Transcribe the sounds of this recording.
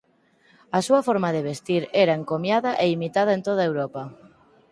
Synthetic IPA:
ɐsuɐfɔɾmaðeβest̪iɾeɾaeŋkomjaðɐʔeimit̪að̞aent̪oðaewɾopɐ

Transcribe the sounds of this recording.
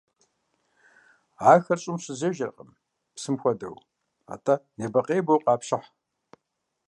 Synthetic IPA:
aːxɐrɕʼɪmɕɪzeʒɐrqʼəm | psɨmxʷɔdɐ̰w | a̰ːtʰʼɐneːbɐqʼeːbowqɑːpɕɪħ

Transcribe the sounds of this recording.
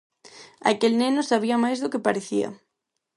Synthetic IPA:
a̰kelnenʊsaβiamajzðʊkepaɾeθia̰

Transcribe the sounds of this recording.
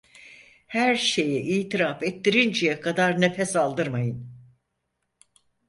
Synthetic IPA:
hæɾʃe̞jɛʔiːt̪ʰiɾaːfɛt̪ʰːiɾind͡ʒɛjɛkʰad̪aɾnefɛsalˠd̪ɯɾmajɯn

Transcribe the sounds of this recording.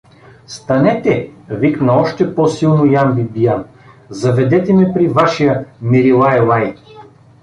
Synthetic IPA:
st̪ɐnɛt̪ɛviknɐɔʃt̪ɛpɔsilˠnojanbibijan | zɐvɛd̪ɛt̪ɛmɛpɾivaʃijəmiɾilˠaɛlˠaj

